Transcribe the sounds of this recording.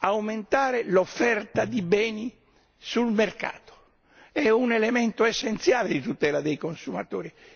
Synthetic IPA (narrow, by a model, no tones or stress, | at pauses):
awment̪aːɾelofːɛrt̪ad̪ibɛːni | sulmerka̰ːt̪o̥ | ɛunɛlɛmɛnt̪oesːent̪sjaːled̪it̪ut̪ɛːlad̪ejkonsuma̰t̪oːɾi